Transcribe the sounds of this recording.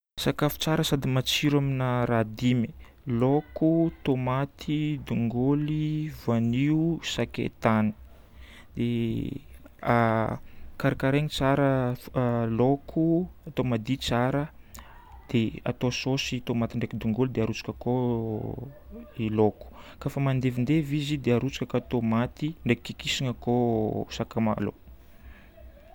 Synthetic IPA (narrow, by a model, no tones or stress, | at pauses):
sakafu̥t͡saɾəsad̪imat͡siɾaminəɾad̪imi | lokut̪omat̪ʰid̪uŋɡolivaniusakḛt̪ani̥ | d̪e | kaɾikaɾeɲit͡saɾə | lokʰuat̪omad̪it͡saɾə | d̪̥ea̰t̪ososit̪omat̪iɳɖ͡ʐekid̪uŋɡuld̪eaɾut͡sḁkəko | iloku̥kafəmand̪evind̪evizid̪eaɾut͡sḁkəkat̪omat̪iɳɖ͡ʐekkikisiŋəkosakama̰lo̰